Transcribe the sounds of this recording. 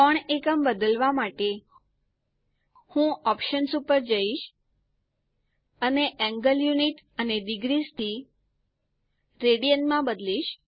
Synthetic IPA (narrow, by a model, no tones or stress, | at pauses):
kɔɳekəmbəd̪əlʋamaʈe | hũʔɔpʃənsupəɾd͡ʒəiʃ | əneʔɛ̃ŋɡəljuniʈəned̪iɡɾist̪ʰi | ɾeɽijənmãbəd̪liʃ